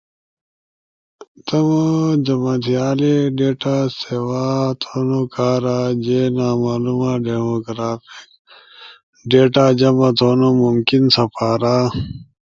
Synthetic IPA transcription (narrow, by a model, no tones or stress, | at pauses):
t̪ɐmod͡ʑɐmat̪ijaːleɖeːʈasewaːt̪ʰonokʰaːɾad͡ʑenaːmaːlumaɖeːmokɾaːfik | ɖeːʈaːd͡ʑɐmɐt̪ʰoːnomumkinsɐpaːɾa